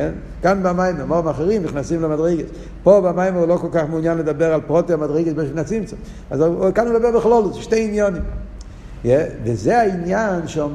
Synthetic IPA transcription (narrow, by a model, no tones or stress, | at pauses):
ɛn | kanbamaɪmemɔmaχeʁimniχnasimlɪmadʁeɪɡəs | pobamaɪmeulokɔlˠkaχmʊnjanlədabɛʁalˠpʁɔtiamadʁeɪɡəsbeʃvinat͡simt͡sʊ | azkanldabɛʁlɪχlˠɔlˠɪsʃteɪinjɔnim | jɛvɪzeainjanʃɛm